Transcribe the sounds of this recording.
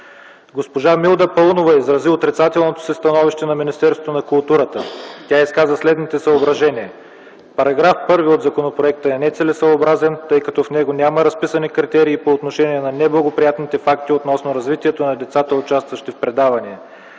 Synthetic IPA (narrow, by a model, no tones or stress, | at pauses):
ɡospoʒamilˠd̪əpɔlˠnovɐizɾɐziot̪ɾit̪sat̪ɛlˠnot̪o̥sist̪ɐnɔviʃt̪ɛnɐminist̪ɛɾsot̪onɐkʊlˠt̪uɾət̪ət̪ʲaiskazvɐslɛd̪nit̪ɛsəobɾɐʒɛniɛ | pɐɾɐɡɾafpɤɾviod̪zɐkonopɾoɛk̚t̪əɛnɛt̪sɛlɛsəobɾazɛnt̪ɤjkɐt̪ɔfnɛɡonʲaməɾɐspisɐnikɾit̪ɛɾiːpoːt̪noʃɛniɛnɐnɛblˠɐɡopɾijat̪nit̪ɛfakt̪iot̪nɔsnoɾɐzvit̪iɛt̪onɐd̪ɛt̪sat̪əot͡ʃast̪vɐʃt̪ifpɾɛd̪avɐniɛ